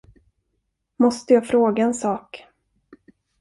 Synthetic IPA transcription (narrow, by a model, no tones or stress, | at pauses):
mɔst̪əjɑːfɾoːɡaɛnsɑːk